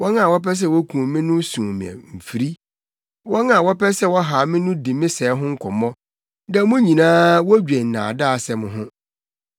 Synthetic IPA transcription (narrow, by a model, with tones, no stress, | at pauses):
wɔ˦nã˦˨wɔ˦pɛ˦s̬ɛ˦wɔ˦kʰũ˨mɪ̃˦nʊ̃˦sũ˨mɪ̰̃˨ɛ̰̃˨m̩˨fi˨ɾi˦ | wɔ˦nã˨wɔ˦pɛ˦sɛ˦wɔ˦ɦa˨mɪ̃˦nʊ̃˦di˨mɪ̃˦sɛː˨˦ɦʊ̃˦ŋ̩˦kʰɔ˨mɔ̃˦ | nã˨mʊ̃˦ɲĩ˨nãː˦wɔ˦d͡ʑᶣɛ˨n̩˨nã̰ː˨daː˦˨sɛ˨mʊ̃˨ɦʊ̃˦